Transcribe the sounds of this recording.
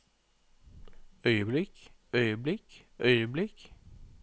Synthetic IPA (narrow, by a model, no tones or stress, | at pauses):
œʏəblɪkœʏəblɪk | ʔœʏəblɪk